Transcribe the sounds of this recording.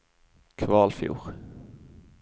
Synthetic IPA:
kʰʋɑːlfjṵːʁ

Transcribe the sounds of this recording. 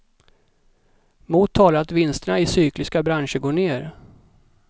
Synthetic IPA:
muːt̪ʰːɑːlaɾat̪vɪnst̪əɳaɪsyːklɪskabɾanʂəɡoːɳeːɾ

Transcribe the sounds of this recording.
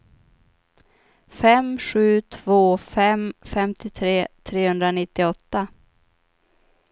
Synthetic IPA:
fɛmɧʉ̟ːt̪ʰv̥oːfɛmfɛmt̪ʰɪt̪ʰɾeːt̪ʰɾeːhɵnd̪ɾanɪt̪ːɪɔt̪ːa

